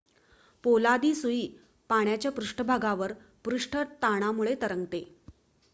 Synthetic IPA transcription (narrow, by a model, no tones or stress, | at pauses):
polad̪iːsuiː | paɳ̃jat͡ɕjapɾuʂʈʰəbʱaɡaʋəɾ | pɾuʂʈʰət̪aɽ̃amuɭet̪əɾəŋɡt̪e